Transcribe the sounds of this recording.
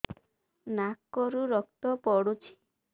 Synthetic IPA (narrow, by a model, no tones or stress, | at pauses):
nakːɔɾuɾɔk̚t̪ɔpɔɽut͡ʃʰi̥